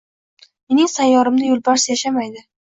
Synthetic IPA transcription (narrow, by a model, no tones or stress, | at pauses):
me̞nɪŋsanjɒɾɪmd̪ajʊlˠbaɾsjaʃamajd̪ɪ